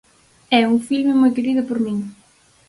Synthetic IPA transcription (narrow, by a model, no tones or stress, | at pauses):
ɛuŋfilmemojt̪iɾiðʊpoɾmĩŋ